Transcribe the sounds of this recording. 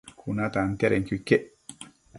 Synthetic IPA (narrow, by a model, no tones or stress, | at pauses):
kʰunat̪ant̪aɾeŋkuikːeʔ